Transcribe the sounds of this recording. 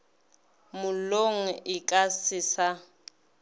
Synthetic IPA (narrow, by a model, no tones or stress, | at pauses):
mʊloŋ̩ɪkʼasɪːsa